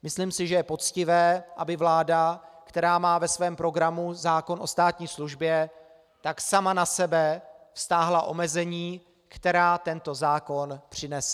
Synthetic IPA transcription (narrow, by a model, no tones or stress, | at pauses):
mɪsliːmsɪʒɛjɛpo̞t͡scɪvɛːʔa̰bɪvlaːdakt̪ɛɾaːmaːvɛsvɛːmpɾo̞ɡɾamuzaːko̞no̞st̪aːt̪ɲiːsluʒbjɛ | t̪aksamanasɛbɛfst̪aːɦlaʔo̞mɛzɛɲiː | kt̪ɛɾaːt̪ɛnt̪o̞zaːko̞npr̝̥ɪnɛs